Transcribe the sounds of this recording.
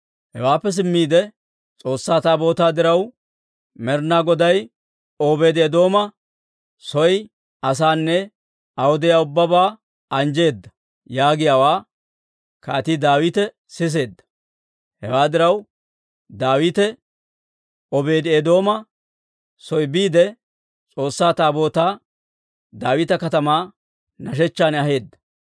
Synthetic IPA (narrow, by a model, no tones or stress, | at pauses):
hɛwaːpːɛs̬ɪmːiːd̪ɛ | t͡sʼo̞ːsːaːt̪aːbo̞ːt̪aːd̪ɪɾɐw | mɛɾnaɡɔd̪ɐj | oːbe̞ːd̪eːd̪o̞ːmɐ | sɔj | ɐs̬aːnːɛ | ɐhʊd̪ɪjaːʊbːɐbaː | ɐnd͡ʒe̞ːd̪ːɐ̥ | jaːɡɪjaːwaː | kaːt̪iːd̪aːwɪt̪ɛ | sɪs̬e̞ːd̪ːɐ̥ | hɛ̰waːd̪ɪɾɐw | d̪aːwit̪ɛ | ɔbe̞ːd̪eːd̪o̞ːmɐ | sɔjbiːd̪ɛ | t͡sʼo̞ːsːaːt̪aːbo̞ːt̪aː | d̪aːwɪt̪ɐkɐt̪ɐmaː | nɐʃ̬ɛt͡ʃːaːnɐɦe̞ːd̪ːɐ̥